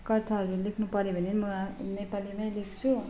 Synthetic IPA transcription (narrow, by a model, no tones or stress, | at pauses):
kʌrt̪ʰaɦʌɾulekʰnupʌɾebʱʌnemʌnepalimãj̃lekʰt͡sʰu